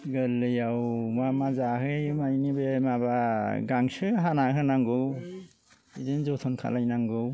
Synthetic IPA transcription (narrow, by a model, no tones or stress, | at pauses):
ɡɯlːɯjawmamazaɦɯjɯmajnibemaβaɡaŋsɯɦanaɦɯnaŋɡɯw | idɯnzɔtʰɔnkʰa̰lajnaŋɡɯw